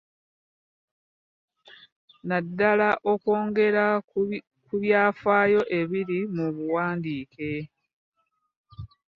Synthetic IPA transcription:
nadːalaʔo̞koːŋɡe̞ɾa | kuβjaːfaːjo̞ʔe̞βiɾimuβuwaːndiːke̞

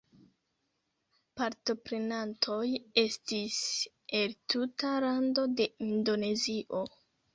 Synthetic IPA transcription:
paɾto̞pɾe̞nantʰo̞je̞stis | e̞ltutalando̞de̞indo̞ne̞ziʔo̞

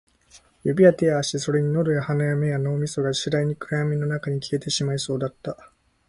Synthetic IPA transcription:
jobʲiat̪eaːɕiso̞ɾe̞ɲ̟ino̞d̪o̞jahanajame̞jano̞ːmʲiso̞ɡaɕiɾaiɲ̟ikɯ̟ɾaamʲinːo̞nakaɲ̟ikʲie̞t̪e̞ɕimaiso̞ːd̪at̪ːa

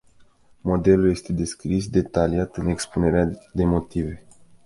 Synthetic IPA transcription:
mo̞d̪e̞lulje̞st̪e̞d̪e̞skɾis̬d̪e̞t̪aliat̪ɨne̞kspune̞ɾead̪e̞mo̞t̪ive̞

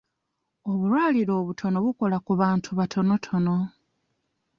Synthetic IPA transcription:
o̞βulwaːliɾo̞ːβutʰo̞no̞βuko̞lakuβaːntʰuβatʰo̞no̞tʰo̞no̞

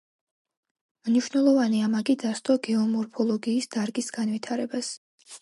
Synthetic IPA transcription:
mniʃwnɛlˠɔvaniamaɡid̪ast̪ʼɔɡɛɔmɔɾpʰɔlˠɔɡiːsd̪̥aɾɡisɡ̥an̪vit̪ʰaɾɛbas

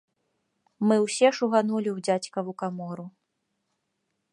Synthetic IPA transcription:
mɨwsʲɛʂuɣanulʲiwd͡zʲat͡sʲkɐvukamɔɾu

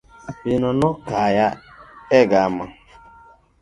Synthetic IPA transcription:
binɔnʊkajaeɡaama

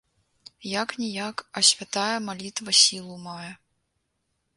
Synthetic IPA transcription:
jaknʲijakɐsʲvʲat̪ajɛmalʲit̪vɐsʲilˠumajɛ

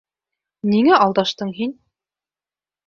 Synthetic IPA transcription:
niŋæʔɑlˠd̪ɑʃt̪ɤɴɦin

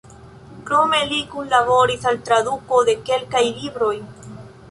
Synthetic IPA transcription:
kɾo̞me̞likunlaβo̞ɾisalt̪ɾad̪uko̞d̪e̞ke̞lkajlibɾo̞j

